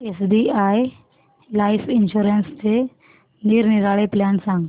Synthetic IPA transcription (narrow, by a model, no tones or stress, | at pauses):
esɖiaːj | laːɪsɪnʃuːɾənst̪e | niːɾnɪɾaːɭeplaːnsãŋɡ